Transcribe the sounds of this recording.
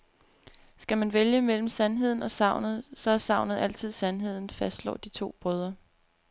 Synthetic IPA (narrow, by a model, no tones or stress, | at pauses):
sɡ̥æmænʋeljəmel̰m̩sænɦe̝ð̰ˠn̩ɒ̽sɑ̈ʊ̰nð̩ˠsɒ̽æsɑ̈ʊ̰nð̩ˠæl̰t͡sʰið̞̰ˠsænɦe̝ð̞̰ˠn̩fæsd̥lɒ̰ːd̥it͡sʰo̝̰ːb̥ʁœð̞ˠɐ